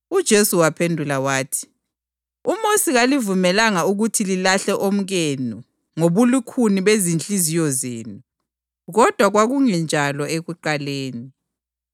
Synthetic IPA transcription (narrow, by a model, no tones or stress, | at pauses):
ud̥ʒ̥ʱesuwapʰendʱulawaːtʰi̥ | umosiɣalivumɛlaŋauɣutʰililaɬɛʔom̩ɣenu | ŋoβulukʰuniβezint͡ɬʼizijɔzḛːnu | ɣɔd̥ʱwaɣwaɣuŋɛnd͡ʒʱalɔeɣuǃaleːni